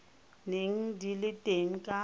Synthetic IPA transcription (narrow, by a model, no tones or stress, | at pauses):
neŋ̩dilɪtʼeŋ̩kʼa